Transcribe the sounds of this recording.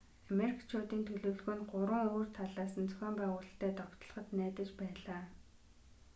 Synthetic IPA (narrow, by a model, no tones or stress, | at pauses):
ameɾikʰt͡ɕʰoːt̪iːnt̪ʰɵɮɵ̆ɮɣɵ̆nɢʊɾwə̆ŋoːr̥t̪ʰaɮaːsə̆nt͡sɵ̥xʲæːmpæːʁʊːɮə̆ɬt̪æːt̪ɔkt̪ɞ̆ɮ̆χə̆t̪næːt̪ə̆t͡ɕpæːɮaː